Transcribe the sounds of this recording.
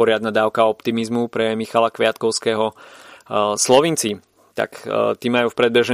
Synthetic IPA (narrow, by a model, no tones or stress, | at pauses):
ɔɾɪad̪nad̪aːʊkaɔpt̪imizmupɾɛmixalakʋɪat̪kɔʊskɛːɦɔ | slɔʋint͡si | t̪a̰kt̪iːmajuːfpɾɛd̪̚bɛʒɛ